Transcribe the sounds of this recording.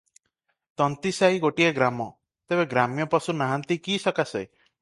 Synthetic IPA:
t̪ɔnt̪isaiɡoʈieɡɾamɔ | t̪ebeɡɾamjɔpɔsunaɦant̪ikisɔkasej

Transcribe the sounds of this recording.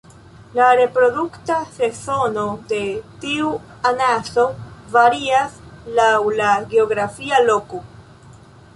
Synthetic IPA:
laɾe̞pɾo̞duktase̞so̞no̞de̞tiu | anaso̞vaɾiaslawlaɡeoɡɾafialo̞ko

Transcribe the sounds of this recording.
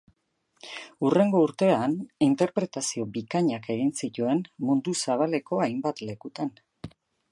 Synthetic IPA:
ure̞ŋɡo̞uɾt̪e̞anint̪e̞ɾpɾe̞t̪asio̞bikaɲake̞ɣinsit̪ue̞nmund̪usaβ̞ale̞ko̞ajmbat̪le̞kut̪an

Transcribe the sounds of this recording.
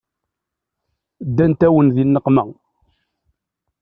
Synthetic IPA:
d̪ːænt̪æwənðinːəqːmæ

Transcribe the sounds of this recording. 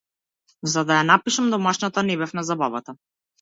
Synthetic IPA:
zad̪ajanapiʃamd̪ɔmaʃnat̪anɛbɛfnazabavat̪a

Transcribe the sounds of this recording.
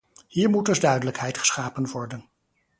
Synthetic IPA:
hiːɹmudɵzdœɥdələkhɛjtχə̥sχaːpənʋɔɹdən

